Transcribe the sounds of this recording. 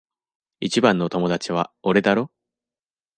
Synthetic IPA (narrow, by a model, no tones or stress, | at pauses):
it͡ɕibãnːo̞t̪o̞mo̞d̪at͡ɕiβ̞aoɾe̞d̪aɾo̞